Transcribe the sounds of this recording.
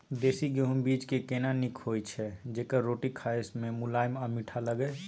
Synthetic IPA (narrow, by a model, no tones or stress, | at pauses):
d̪eːsiɡeɦumbid͡ʒkekenanikʰɦojt͡ʃʰɛd͡ʒeːkəɾɾoʈikʰajsmẽmʊlajmamiʈʰaləɡɛ